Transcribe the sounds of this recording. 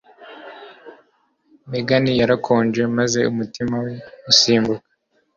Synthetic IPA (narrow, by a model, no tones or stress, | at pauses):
meɡanijaɾakʰoːɲd͡ʒwe̞maze̞umutimaweusiːmbukḁ